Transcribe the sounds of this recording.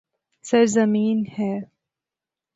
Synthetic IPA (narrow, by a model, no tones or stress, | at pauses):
sɐɾzɐmiːnhɛː